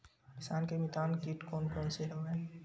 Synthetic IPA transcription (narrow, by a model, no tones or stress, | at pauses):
kɪsaːnkemɪt̪aːnkiːʈkɔːnkɔːnseɦɛɛː